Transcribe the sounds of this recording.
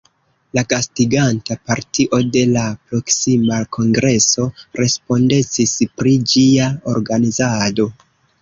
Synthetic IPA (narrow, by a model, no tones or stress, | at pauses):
lakastiɡantapaɾtiʔo̞de̞lapɾo̞ksimakʰo̞ŋɡɾe̞so̞ɾe̞spo̞nde̞t͡sispɾid͡ʒiao̞ɾɡanizado̞